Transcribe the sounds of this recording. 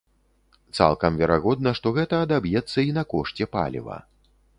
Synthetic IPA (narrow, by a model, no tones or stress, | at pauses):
t̪sa̰lˠkɐmvʲɛɾaɣɔd̪̚nɐʂt̪ɔɣɛt̪ɐːd̪abjɛt̪sːɐinɐkɔʂt͡sʲɛpa̰lʲḭvɐ̰